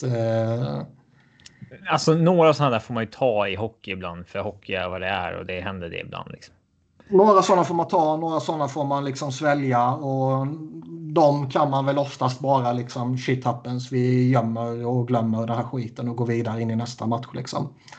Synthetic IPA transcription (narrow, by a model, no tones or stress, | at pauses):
alsɔnoːɾavsɔnaːɖ̪æːɾfoːɾmanjɵt̪ʰɑːɪɦɔkːɪɪbla̰nd̪fœɾhɔkʰːɪæ̰ɾvad̪ɛæ̰ɾɔ̰d̪ɛɦɛnd̪əɖɛ̰ɪ̰bla̰nd̪lɪ̰ksɔ̥m | noːɾasɔnːafoːɾmant̪ʰɑːnoːɾasɔnːafoːɾmanlɪksɔmsvɛljaɔ | d̪ɔmkʰanmanvɛlɔft̪ast̪bɑːɾalɪksɔmɕɪt̪ʰːapːənsvɪjœmːəɾɔɡlœmːəɾɖ̪ɛnɦæːɾɧiːt̪ənɔɡoːɾviːd̪aɾəɪnːɪnɛst̪amat̪ɧɭɪ̰ksɔ̰m